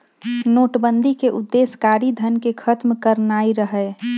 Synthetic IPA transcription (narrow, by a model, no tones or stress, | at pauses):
noːʈbənd̪ʱikeʔʊd̪ːeːskaːɾid̪ʱənkekʰət̪mkəɾnaːiɾəɦɛ